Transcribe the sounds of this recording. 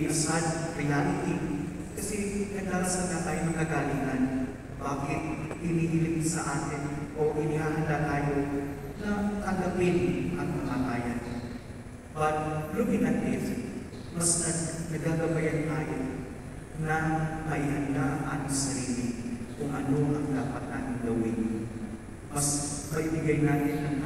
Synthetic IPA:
ʔɐsad̪ɾɪjaːlɪt̪i | kɐsɛnɐɡaɾɐsad̪nak̪aːjonɐŋɐɡaːliɡɐn | baːkɪt̪̚hɪnihilɪp̪̚nasɐʔaːt̪ɪnʔoʔɪnihaːɦɐnd̪at̪aːjo | nɐk̪ɐŋɡɐpɪnʔɐt̪̚mɐkakaːjan | ʔɐt̪̚luɡɪnat̪ɪs | mɐsnɐnnɐɡaɡɐbɐjant̪aːjo | nɐmɐʔihɐnd̪aʔŋʔat̪ɪŋsɐɾiːlɪkʊŋʔɐno̞ʔɐŋd̪aːpɐt̪̚naːt̪ɪŋɡ̪ɐwɪn | mɐspɐʔibɪɡajnaːt̪ɪnːɐŋ

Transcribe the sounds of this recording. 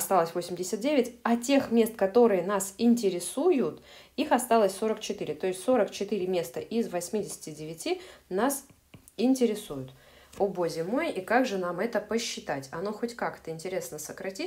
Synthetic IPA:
ɐst̪alˠəsʲvo̞sʲɪmʲdʲɪsʲət̪̚dʲevʲɪtʲɐtʲe̞xmʲe̞st̪kɐt̪o̞ɾɨjənasɪnʲtʲɪɾʲɪsujʊt̪ | ixɐst̪alˠəsʲso̞ɾəkt͡ɕɪt̪ɨɾʲɪt̪o̞ɪsʲtʲso̞ɾəkt͡ɕɪt̪ɨɾʲɪmʲe̞st̪əʔɪzvɐsʲmʲidʲɪsʲɪ̥tʲɪdʲɪvʲɪtʲinas | ɪnʲtʲɪɾʲɪsujʊt̪ | obozʲɪmojikaɡʐɨnamɛt̪əpəɕːɪt̪atʲɐno̞xo̞tʲkakt̪əɪnʲtʲɪɾʲe̞snəsəkɾɐtʲi

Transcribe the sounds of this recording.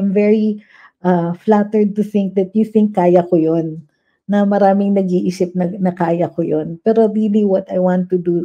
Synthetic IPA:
jmvɛɹi | ʔaflat̪ɛɹd̪̚t̪ʊθɪ̃ŋk̚d̪ɐt̪̚juθɪ̃ŋkːaːjɐkojonː | ɐmɐɾaːmɪŋnɐɡiʔisɪp̚nɐnɐkaːjɐkojonpɛɾoɹiliwɐt̪ɐjwɑ̃nt̪ːud̪u

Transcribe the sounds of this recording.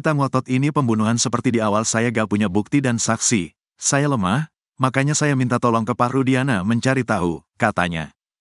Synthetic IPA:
it̪aŋwɔt̪ɔt̪inipəmbunuɦansəpərt̪idiawalsajaɡaʔpuɲabuk̚t̪idansaksi | sajaləmah | makaɲasajamint̪at̪ɔlɔŋkəpaɾudianaməɲt͡ʃaɾit̪aɦṵkat̪a̰ɲa̰

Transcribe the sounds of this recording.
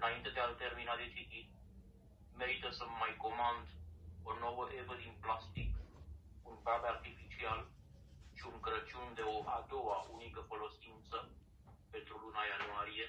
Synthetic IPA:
ɨnaint̪e̞d̪ealt̪e̞rminad̪et͡ʃit̪i | me̞ɾit̪əsəmmajko̞mand̪o̞no̞wəʔe̞vəd̪inplast̪ik | unpɾavart̪ifit͡ʃial | ʃiuŋkɾət͡ʃund̪e̞o̞ʔad̪o̞waʔunikəfo̞lo̞sint̪sə | pe̞nt̪ɾulunajanuaɾije̞

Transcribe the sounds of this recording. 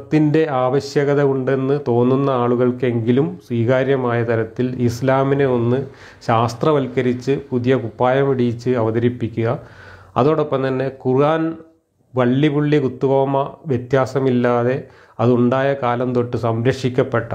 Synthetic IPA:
t̪ːinde̞aːʋɐɕjɐɣɐðɐuɳɖe̞nːɨt̪o̞ːnːunːɐaːɭuɣɐɭke̞ŋɡilumswiːɣaːɾjɐmaːjɐt̪ɐɾɐt̪ːilislaːmine̞o̞nːɨ | ɕaːst̪rɐʋɐlkɐɾit͡ɕːɨpuðijɐkupːaːjɐmiɽijit͡ɕːɨɐʋɐðɐɾipːikʲːuɣɐ | ɐðo̞ːɽopːɐmt̪ɐnːe̞kuruaːn | ʋɐɭːibuɭːikut̪ːuɣoːmɐʋjet̪jaːsɐmilːaːðe̞ | ɐðuɳɖaːjɐkaːlɐmt̪o̞ʈːɨsɐmɾɐkʂikʲːɐpːe̞ʈːɐ̰

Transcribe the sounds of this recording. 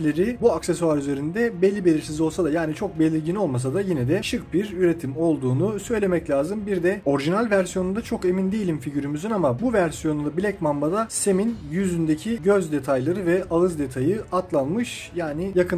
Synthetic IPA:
lʲeɾibuakse̞suaɾyze̞ɾind̪ɛbelʲːibe̞lʲiɾsizo̞lˠsad̪ajaːnit͡ʃʰo̞k̚be̞lʲiɾɟino̞lˠmas̬ad̪ajinɛd̪ɛʃɯk̚biɾyɾe̞t̪ʰimo̞lˠd̪uːnusø̞jlʲe̞mɛclʲaːzɯmbiɾd̪ɛo̞ɾʒinalʲvæɾsijo̞nund̪at͡ʃʰo̞ke̞mind̪ejilʲimfiɟyɾymyzynamabuvæɾsijo̞nund̪abilʲɛcmambad̪ase̞minjyzynd̪e̞cʰiɟø̞zd̪e̞t̪ʰajlˠaɾɯvɛʔalˠɯzd̪e̞t̪ʰajɯat̪lˠanmɯʃ | jaːnijakʰɯ

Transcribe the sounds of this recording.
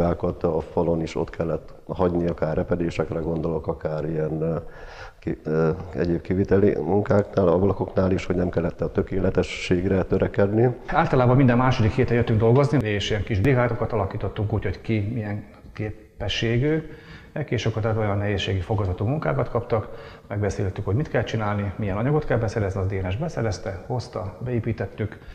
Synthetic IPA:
aːkɒt̪ɒfɒlo̞niʃo̞̰t̪kʰɛlːɛt̪ːɦɒɟniɒkaːrːɛpɛd̪eːʃɛkrɛɡo̞nd̪o̞lo̞kɒkaːɾijɛn | k | ɛ̰ɟeːb̚kivit̪ɛlḭmuŋkaːknaːlɒvɒlɒko̞knaːliʃhoɟnɛmkɛlːɛt̪ːɛɒt̪økeːlɛt̪ɛʃːeːɡrɛt̪øɾɛkɛd̪niaːlt̪ɒlaːbɒmind̪ɛmːaːʃo̞d̪ikheːt̪ɛjøt̪ːyŋɡ̚d̪o̞lɡo̞znieːʃiɛŋkiʒbliɦaːt̪o̞kɒt̪ɒlɒkiːt̪o̞t̪ːuŋkuːcho̞ckimijɛŋ | keː | pːɛʃːeːɡyː | ɛkeːʃokot̪at̪o̞jɒnːɛɦeːsʃːeːɡifo̞ɡɒzɒt̪umuŋka̰ːkɒt̪kɒpt̪ɒk | mɛɡbɛsḛːlt̪ːykhoɟmit̪kɛlɛt̪t͡ʃinaːlnimijɛnɒɲɒɡo̞t̪kɛlbɛsɛɾɛzniɒzd̪eːnɛʒbɛsɛɾɛst̪ɛho̞st̪ɒbɛeːpiːt̪ɛt̪ːyk

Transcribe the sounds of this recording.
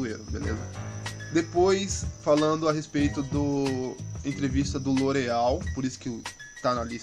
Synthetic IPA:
ueɾʊbḛlḛzɐ̰ | d̪epojsfalɐ̃nd̪ʊaɦespejt̪ʊd̪ʊ | ẽt̪ɾevist̪ɐd̪ʊloɾeawpoɾisʊ̥ke | t̪anɐli

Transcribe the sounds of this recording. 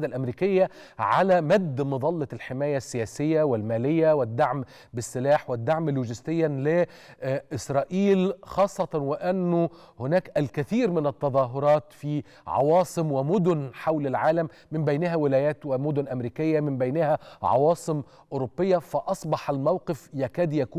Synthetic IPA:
d̪alʔæmɾiːkɪjːa | ʕa̰læːmæd̪ːmɑðˤɑlːɑlħɪmæːjasːɪjæːsɪjːawɪlmæːlɪjːawɪd̪ːaʕm | bɪsːɪlaːħwɪd̪ːaʕmluːʒɪst̪ɪjːalɪ | ʔɪsɾˤɑːʔiːlxɑːsˤːɑt̪ˤɑnwɪʔænːʊ | hʊnæːkʔælkɪθiːɾmɪnæt̪ːɑðˤɑːɦʊɾˤɑːt̪fiː | ʕɑ̰wɑːsˤɨmwɪmʊd̪ʊnħawlɪlʕaːlæmːɪmbajnɪɦæwɪlæːjæːt̪wɪmʊd̪ʊnʔamɾiːkɪjːamɪmbajnɪhæʕɑ̰wɑːsˤɨm | ʔʊɾobːɪjːafɑʔɑsˤbɑħalmawqɪfjækæːd̪jækuː

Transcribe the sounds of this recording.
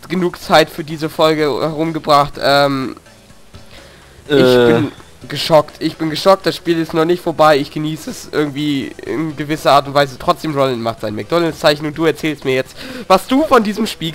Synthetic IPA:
ɡ̥ənuːkt͡saɪtfyːɐdiːzəfɔlɡəhɛʁ̞ʊmɡəbʁaχtʔɛːm | ɪb̥ɪn | ɡəʃɔktʰʔɪçb̥ɪnɡəʃɔk̚t̚d̥asʃpiːlɪsnɔχnɪçtfoːɐbaɪɪçɡ̥əniːsəsʔɪ̰ɐɡŋ̩tv̥iːɪ̰nɡəvɪsɐʔaːɐt̬ʊntv̥aɪzətʁ̥ɔt͡sd̥eːmʁolɪnmaχtz̥aɪnmɛk̚d̥ɔləst͡saɪçn̩ʊnt̚d̥uːɛɐt͡sɛːlstmiːɐjɛt͡stvasd̥uːfɔndiːzəmʃpiː

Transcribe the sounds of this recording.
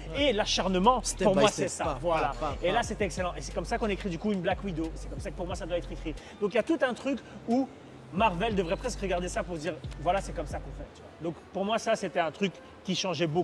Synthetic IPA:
elaʃaʁnəmɑ̃spuʁmmwasɛsavwalaelaset̪ɛekselɑ̃ʔesɛ̥kɔmsakɔ̃nekχid̪ykuynblakwid̪osɛ̥kɔmsakəpuʁmwasad̪waɛt̪χekχid̪ɔ̃k̬ijat̪ut̪ɛ̃t̪χyku | maʁvɛld̪əvʁɛpχɛskʁəɡaʁd̪esapuʁd̪iːʁvwalasɛkɔmsakɔ̃fɛt̪yvwad̪ɔ̃kpuʁmwasaset̪ɛɛ̃t̪χykː | iʃɑ̃ʒɛboku

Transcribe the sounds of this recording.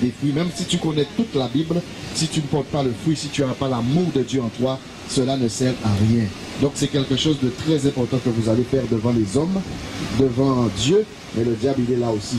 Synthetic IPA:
d̪efχɥimɛ̃msit̪ykɔnɛt̪ut̪labibl | sit̪ynəpɔʁt̪̚paləfχɥisit̪yaʁɛpalamuʁd̪əd̪jøɑ̃t̪wa | səlanəsɛʁaʁjɛ̃ | d̪ɔ̃ksɛkʲɛlkəʃozd̪ət̪χɛzɛ̃pɔʁt̪ɑ̃kəvuzalefɛʁd̪əvɑ̃lezɔmd̪əvɑ̃d̪jø | mɛləd̪jabilɛlaosi

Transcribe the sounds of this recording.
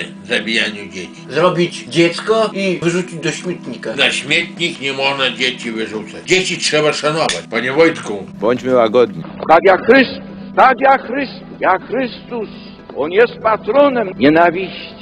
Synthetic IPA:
zɐbʲɪjanʲɪjʊdʲetʲi̥zɾɔbʲitʲdʲet̪skɔivɨʐut͡ʃʲit̚ʲd̪ɔsʲmʲit̪nʲikɐnɐsʲmʲet̪ʲnʲiknʲɪmɔʐnɐdʲetʲiʋɪʐut̪sɐdʲesʲit̪ʂɛbɐʂɐnɔbɐtʲpɐnʲɪvɔjt̪kubɔnʲtʲmʲɪlaɡɔd̪nʲik̪aɡjaxɾʲɪst̪ust̪akjaxɾɪst̪jaxɾɪst̪us | ɔnjɛst̪̚pat̪ɾɔnɛmɲʲɛnavʲiɕtʲ

